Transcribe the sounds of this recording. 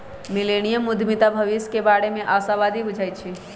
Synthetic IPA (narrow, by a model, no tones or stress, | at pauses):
mileñijəmʊd̪ʱmit̪abʱəʋiskebaːɽemẽʔaːsaʋaːd̪ʱibʊd͡ʒʱajt̪̚t͡ʃʰi